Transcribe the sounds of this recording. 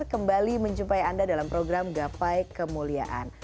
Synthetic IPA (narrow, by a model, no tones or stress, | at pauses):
rkəmbaliməɲt͡ʃumpajandadalampɾoɡɾamɡapajkəmulia̰ʔa̰n